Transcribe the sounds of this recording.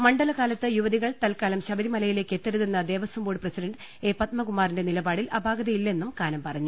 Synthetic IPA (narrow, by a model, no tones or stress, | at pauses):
mɐɳɖɐlɐɣaːlɐt̪ːɨjuʋɐðiɣɐɭt̪ɐlkaːlɐmɕɐbɐɾimɐlɐjile̞ːkːe̞t̪ːɐɾuðenːɐd̪e̞ːʋɐsɐmboːɽprɐsidɐɳɖ | e̞ːpɐt̪mɐkumːaːrinde̞nilɐbaːɽilʔɐbʱaːɡɐðɐjilːɐe̞nːumkaːnɐmpɐrɐɲːu